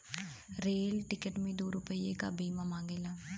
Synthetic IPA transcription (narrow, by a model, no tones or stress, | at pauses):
ɾeːlʈɪkəʈmĩːd̪oːɾʊpəieka̰ːbiːmãːmãːŋɡeːlaː